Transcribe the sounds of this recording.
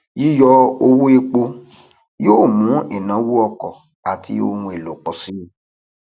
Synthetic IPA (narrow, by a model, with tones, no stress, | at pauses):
ji˦jɔ˧o˧wu˦e˧k͡po˧ | joː˦˨mũ˨˦e˦˨nã˨˦wu˦ɔ˧kɔ˨ | a˨ti˧o˧wũ˧e˨lo˨k͡pɔ˨si˨˦i˦